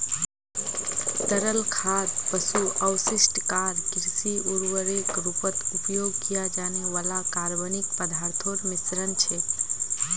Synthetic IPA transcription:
t̪əɾəlkʰaɾpəsuəwsisʈkaɾkɾsiuɾwəɾekɾupət̪upjoɡkijad͡ʒaneʋalakaɾbənik̚pəd̪ʱaɾt̪ʰoɾmisɾənt͡ʃʰe

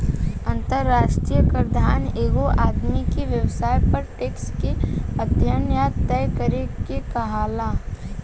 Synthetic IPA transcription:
ɐnt̪əɾːaːʃʈɾijəkəɾd̪ʱaːneːɡoʔaːd̪mikeʋjəwsaːjpɐɾʈeːkskeɐd̪ʱjənjaːt̪t̪ːɛːkəɾekekɐɦaːla

